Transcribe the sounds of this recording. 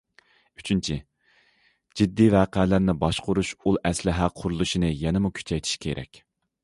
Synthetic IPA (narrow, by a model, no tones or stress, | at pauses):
yt͡ʃʰynt͡ʃʰi | d͡ʒid̪ːivæːqɛːlæɾnɪbɑʃqʊɾuʃulˠɛslɪɦæqʰʊɾulˠuʃinɨjɛnɪmukʲʰy̥t͡ʃʰɛjt̪ʰi̥ʃkʲʰḛɾʔɛ̰kʲ